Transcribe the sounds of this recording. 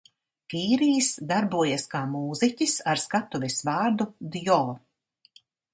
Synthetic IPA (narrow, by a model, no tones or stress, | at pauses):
kiːɾijsd̪aɾbuɔjaskaːmuːzicʲisaɾskat̪uvʲɛsvɑːɾd̪ud̪jɔː